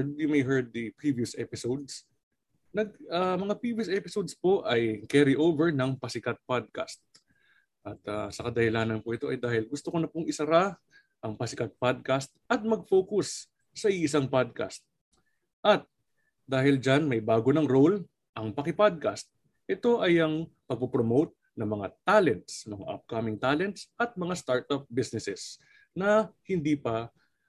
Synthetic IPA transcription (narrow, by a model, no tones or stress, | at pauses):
d̪̚jʊmɐjɦɛɹd̪̚ːipɹiːviʊsʔɛpɪsowd̪̚s | nɐɡ̚ɐmɐŋapɹivijʊsʔɛpɪsowd̪spo̞ʔɐjkɛɾɪʔowvɛɹnɐŋpɐsɪkat̪̚pad̪̚ka̰st̪̚ | ʔɐt̪a̰sɐkɐd̪ɐhɪlaːnɐnpoʔɪt̪o̞ʔɐjd̪aːhɪlɡʊst̪okonɐpoŋʔɪsɐɾa | ʔɐŋpɐsɪkat̪̚pad̪̚kast̪̚ʔɐt̪̚mɐɡ̚foːkʊs | sɐiʔɪs̬aŋpad̪̚ka̰st̪̚ | ʔɐt̪̚ | d̪aːhɪld͡ʒanmɐjbaːɡonɐŋɾo̞l | ʔɐŋpɐkɪpad̪̚kast̪̚ | ʔɛt̪o̞ʔɐjɐŋpɐɡ̚pɐpɾomowt̪̚ | nɐŋmɐŋat̪alɛnt̪smɐŋa̰ʔɐ̰p̚kamɪŋt̪alɛnt̪sʔɐt̪̚mɐŋast̪aɹt̪ɐp̚bisnɛsɛs | nɐhɪnd̪iːpɐ